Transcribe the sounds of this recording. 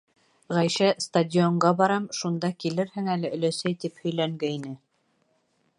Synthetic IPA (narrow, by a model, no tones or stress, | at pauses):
ʁæjʃæst̪adʲɪoɴɢɑbɑɾɑmʃund̪ɑkilɘɾhɘŋælɘʔɵ̆læsæjt̪iphɵ̆jlæŋɡɘinɘ